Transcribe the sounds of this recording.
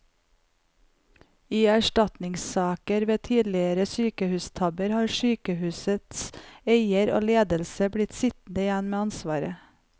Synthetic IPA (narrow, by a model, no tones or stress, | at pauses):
iːæʃʈɑt̪nɪŋssɑːkəɾʋeːt̪ʰiːd̪lɪəɾəsyːkəhʉːst̪ʰɑbəɾhɑːɾsyːkəhʉːsət̪seɪəɾo̰ːleːd̪əlsəbɽɪt̪sɪt̪n̩d̪əɪjɛnmeːɑnsʋɑːɾə